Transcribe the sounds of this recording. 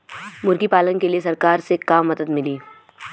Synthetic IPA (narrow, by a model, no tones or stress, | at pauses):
mʊɾɡipaːlənkeliesɐɾkaːɾsekaːmːɐd̪əd̪mɪliː